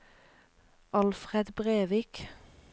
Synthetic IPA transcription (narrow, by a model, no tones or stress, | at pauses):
ʔɑlfʁɛd̪bʁeːʋiːk